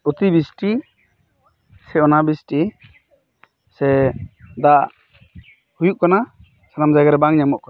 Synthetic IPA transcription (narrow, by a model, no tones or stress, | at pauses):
ut̪ibisʈi | sɛɔnabisʈi | sɛd̪aʔ | hujuʔ̚kana | sanamd͡ʒaɡaɾɛbaŋɲamɔʔkɔ